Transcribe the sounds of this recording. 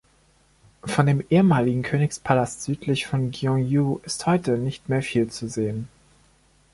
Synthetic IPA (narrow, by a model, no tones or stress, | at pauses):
fɔndeːmʔeːəmaːlɪɡŋ̩kʰøːnɪkspʰalastz̥yːtʰlɪçfɔnɡjɔŋjuʔɪsthɔʏtənɪçtmeːɐfiːlt͡suzeːən